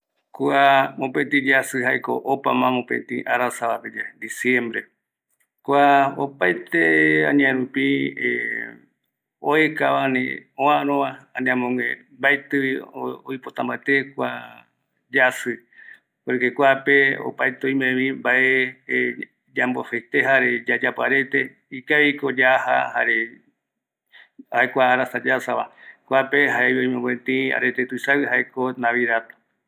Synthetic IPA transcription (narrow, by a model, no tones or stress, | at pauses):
kuamõpẽt̪̬ĩd͡ʒasɨhajko̰ʔopamãmõpḛ̃t̪ḭ̃ʔaɾasaβaped͡ʒed̪isjẽmbɾḛ | kuaopajt̪eã̰ɲãẽɾũpie | oekaβanḭõãɾõβaãnĩãmõŋḛ̃mbajt̪ɨβiojpot̪ãmbaet̪ekʷa | d͡ʒasɨ | oɾɨkekʷapeo̰pajt̪eõjmẽβĩmbaʔe | d͡ʒambohet̪eɦaɾed͡ʒad͡ʒapoaɾet̪e | ikaβikod͡ʒaha̰haɾe | aekʷaːɾasad͡ʒasaβa̰kʷapeɦaeβiõj̃mẽŋɡẽt̪ĩa̰ɾet̪et̪uɨsaɨhaekonãβiðat̪o̥